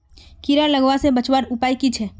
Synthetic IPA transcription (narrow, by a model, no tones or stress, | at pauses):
kiɾaləɡʋãsebət͡ʃwaɾʊpaːikit͡ʃʰɛː